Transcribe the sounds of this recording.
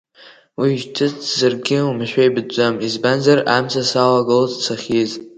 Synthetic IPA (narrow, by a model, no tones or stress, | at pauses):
wiʒtʰɨt͡sʰzarɡʲɪumɨʃᶣʷaibɨd͡ʒʷamizbanzara̰msʰasalaɡɨlozt͡sʰaχʲiz